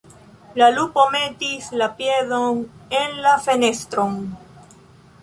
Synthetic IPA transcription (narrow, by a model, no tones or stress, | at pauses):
lalupomet̪islapjeðoŋenlafenest̪ɾoŋ